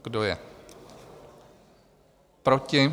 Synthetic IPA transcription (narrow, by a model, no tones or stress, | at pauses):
ɡdojɛ | pɾocɪ